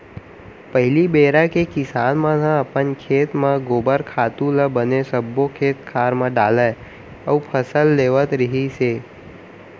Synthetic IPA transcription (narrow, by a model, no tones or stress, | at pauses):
pəɦɪlibeːɾakekɪsaːnmãnãɐpənkʰeːt̪mãɡoːbəɾkʰaːt̪ũləbənesəbːõkʰeːt̪̚kʰaːɾmə̃ɖaːlə | əːpʰəsəlːeːʋət̪ɾɪɦiseː